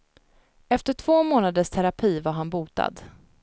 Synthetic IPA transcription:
ɛft̪əʈʰv̥oːmoːnad̪əʂt̪ʰɛɾapʰiːvaɾɦanbuːt̪a̰d̪

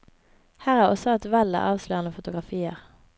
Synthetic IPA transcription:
hæːʁæːʁɔsɔɛt̪ʋɛlə̰ʔɑːʋsløːʁnəfʊt̪ʊɡʁɑfiːəʁ

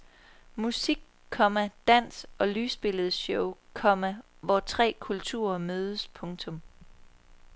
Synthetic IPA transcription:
musiɡ̥̚ | kʰːɒ̽mæd̥æn̰sɒ̽lyːsb̥e̝ləð̞̩ˠɕɔʊkʰɒ̽mæ | ʋɒt͡sʰʁɛ̰ːkʰult͡sʰṵːɐmøːð̞ˠəspʰɔ̽ŋt͡sʰɔ̽m

